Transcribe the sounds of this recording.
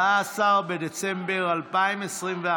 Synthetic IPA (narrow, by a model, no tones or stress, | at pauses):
asaʁbedet͡sɛmbeʁalpajmesʁinvea